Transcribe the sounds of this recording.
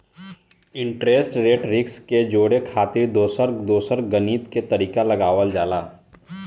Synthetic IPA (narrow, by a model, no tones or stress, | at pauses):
ɪ̃ɳʈɾeːsʈɾeːʈɾɪksked͡ʒoːɽekʰaːt̪ɪɾd̪oːsəɾd̪oːsəɾɡəniːt̪ket̪ɐɾiːkalɐɡaːʋəld͡ʒaːlaː